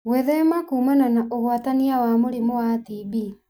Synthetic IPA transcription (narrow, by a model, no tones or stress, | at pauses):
wɛðɛmakuːmananaʔoβwaːtaniawamoɾimowatiβi